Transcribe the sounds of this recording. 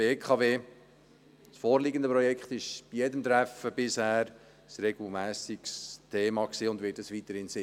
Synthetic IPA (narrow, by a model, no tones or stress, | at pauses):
b̥eːkʰχɑveː | sfoːɾliːɡənd̪əpɾɔjɛkχt̪ɪʃb̥ijɛd̪əmt̪ɾæfəb̥ɪshæːɾ | sɾɛɡl̩mæːsikst̪ʰeːmɑksiːʊnd̪vɪːt̚dɑsʋit̪əɾhɪnsɪ